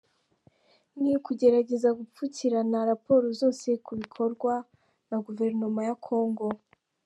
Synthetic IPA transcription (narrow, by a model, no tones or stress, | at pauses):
nikuɟe̞ɾaɟe̞zaɡup͡fuciɾanaɾapo̞ːɾozo̞ːse̞kuβikʰo̞ɾɡwa | naɡuve̞ɾno̞majakʰo̞ːŋɡo̞